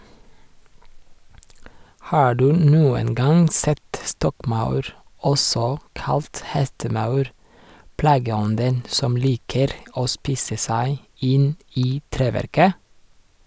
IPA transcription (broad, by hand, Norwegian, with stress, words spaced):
ˈhɑː ˈɖʉː ˈnuːən ˈɡɑŋ ˈsɛt ˈstɔkˌmɑʉɾ ˈɔsɔ ˈkɑlt ˈhɛstəˌmɑʉɾ ˈplɑːɡəˌɔndən ˈsɔm ˈliːkəɾ ˈoː ˈspiːsə ˈsæɪ ˈɪn ˈiː ˈtɾeːˌʋæɾkə